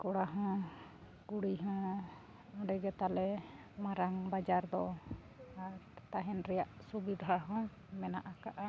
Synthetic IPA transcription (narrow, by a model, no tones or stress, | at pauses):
kɔɽaɦã | kuɽiɦã | ɔɖɛɡɛt̪alɛ | maɾaŋbad͡ʒaɾd̪ɔ | aɾt̪aɦɛnɾɛjaʔsubid̪ʱaɽɦɔ̃ | mɛna̰ʔakaʔa